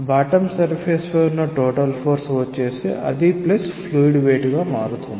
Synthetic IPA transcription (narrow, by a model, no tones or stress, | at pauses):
baːʈɐmsɐɾpʰeːspɐːunːɐʈoːʈɐlpʰoːɾsʋɐt͡ʃːeːsḭʔɐ̰d̪iplɐspʰluːjiɖʋeːʈɡaːmaːɾut̪und̪i